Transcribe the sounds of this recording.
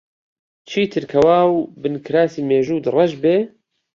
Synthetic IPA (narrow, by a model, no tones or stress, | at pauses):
t͡ʃʰiːt̪ʰɨɾkʰɐwaːwbɨnkʰɨɾaːsiːmeːʒuːd̪ɨrˤɐʒbeː